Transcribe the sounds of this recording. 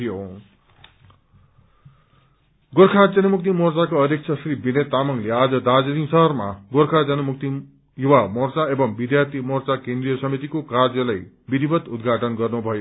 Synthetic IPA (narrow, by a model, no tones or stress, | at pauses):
ijo | ɡorkʰad͡zʌnʌmuk̚t̪imort͡sakoʌɾek̚t͡sʰʌsribinet̪ːamʌŋlead͡zʌd̪ad͡zʌnĩsʌɦʌrmaɡorkʰad͡zʌnʌmukt̪i | juwamʌrt͡saebʌŋbid̪jart̪ʰimʌrt͡sakẽnd̪rijʌsʌmit̪ikokard͡zʌlaj | bid̪ʱibʌt̪ud̪ɡʱaʈʌnɡʌrnubʱʌjo